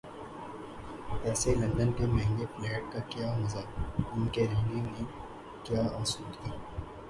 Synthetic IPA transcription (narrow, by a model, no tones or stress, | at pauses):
pɛːselɐ̃nd̪ənkemɛ̃ɦŋɡeflɛːʈ̚kakjaːɦʊzaːʊnkeɾɛ̃ːŋɡinẽ | kjaːɔːsuːd̪kaː